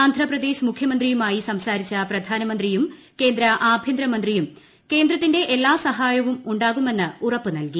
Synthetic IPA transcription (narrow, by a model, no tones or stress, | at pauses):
aːnd̪ʱrɐprɐd̪e̞ːɕmukʰjɐmɐnd̪rijumaːjisɐmsaːɾit͡ɕːɐprɐd̪ʱaːnɐmɐnd̪rijum | ke̞ːnd̪ɾɐʔaːbʱjɐnd̪ɾɐmɐnd̪rijum | ke̞ːnd̪ɾɐt̪ːinde̞ʔelːaːsɐɦaːjɐʋumuɳɖaːɣume̞nːɨurɐpːɨnɐlki